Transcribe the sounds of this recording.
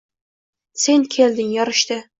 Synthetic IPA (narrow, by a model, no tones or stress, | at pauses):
senkʲʰeld̪ɪŋjɒɾɨʃt̪ɨ